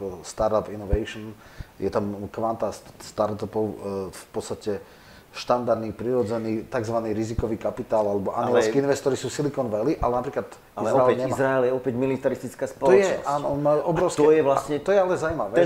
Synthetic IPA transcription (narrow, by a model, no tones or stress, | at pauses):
st̪aɾt̪ɔpinɔʋɛjʃɔn | jɛt̪amkʋant̪asst̪aɾt̪ɔpɔʊfpɔt̪st̪acɛ | ʃt̪and̪aɾd̪niːpɾiɾɔd͡zɛniːt̪aɡzʋaniːɾizikɔʋiːkapit̪aːlalɛbɔʔa̰nilaskkiinʋɛst̪ɔɾisuːsilikɔnʋɛliʔalɛnapɾiːklat̪ | izɾaɛlɲɛiazɾaɛljɛɔpɛɟmilit̪aɾist̪it͡skaːspɔɔlɔjɛt͡ʃnɔsaːnɔmauʔɔbɾɔʊskt̪ɔɛjɛʋlasɲɛt̪ɔjɛalɛzawimaʋɛ